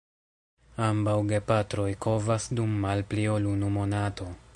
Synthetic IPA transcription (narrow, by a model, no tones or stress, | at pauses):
ambawɡe̞patɾo̞jkʰo̞vasdumːalpliolunumo̞nato̞